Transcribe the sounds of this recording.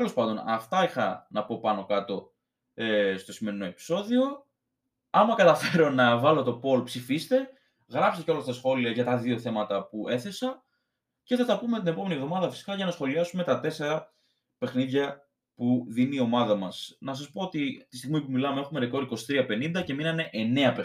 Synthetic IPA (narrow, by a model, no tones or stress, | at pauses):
t̪elo̞spɐnd̪o̞nɐ̰ft̪ɐixɐnɐpo̞pɐno̞kɐt̪o̞ | est̪o̞sime̞ɾino̞e̞pi̥so̞ðio̞ | ɐmɐkɐt̪ɐfe̞ɾo̞nɐvɐlo̞t̪o̞po̞lpsifist̪e̞ | ɣɾɐpseceo̞lɐst̪ɐsxo̞liɐʝɐt̪ɐðio̞θe̞mɐt̪ɐpue̞θe̞sɐ | ce̞θɐt̪ɐpumet̪ine̞po̞me̞nievðo̞mɐðɐfisi̥kɐʝɐnɐsxo̞liɐsume̞t̪ɐt̪e̞se̞ɾɐ | pe̞xniðʝɐ | puðinio̞mɐðɐmɐsnɐs̬ɐspo̞ot̪it̪ist̪iɣmipumilɐmee̞xumeɾeko̞ɾiko̞si̥t̪ɾiɐpe̞nind̪ɐce̞minɐneʔene̞ɐpe